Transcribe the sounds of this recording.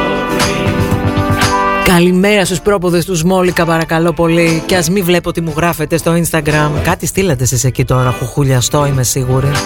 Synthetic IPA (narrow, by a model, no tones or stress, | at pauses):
kɐlime̞ɾɐst̪uspɾo̞poðe̞st̪uzmo̞likɐpɐɾɐkɐlo̞po̞liceɐzmivle̞pot̪imuɣɾɐfe̞t̪e̞st̪o̞inst̪ɐɡɾɐmkɐt̪ist̪ilɐt̪e̞sisecit̪o̞ɾɐpuxuʎɐst̪o̞ime̞siɣuɾi